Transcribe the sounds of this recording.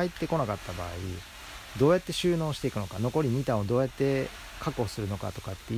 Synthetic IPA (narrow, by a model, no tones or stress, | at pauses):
ait̪ːe̞ko̞nakat̪ːaba̰ːḭ | d̪o̞ːjat̪ːe̞ɕɨːno̞ːɕi̥t̪e̞ikɯ̟no̞kano̞ko̞ɾʲiɲ̟it̪ãɰ̃od̪o̞ːjat̪ːe̞ | kako̞sɨɾɯ̟no̞ka̰t̪o̞̥kat̪ːe